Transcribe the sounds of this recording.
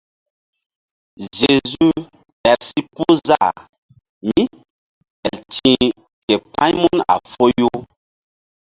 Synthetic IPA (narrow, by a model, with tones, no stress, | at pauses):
ze˨zu˦ | ɛ˨si˦pu˦za˦˨ | mi˦ | ɛ˨ltĩ˦ | kɛ˨pã˦ɲmu˦na̰˨fo˦jo˦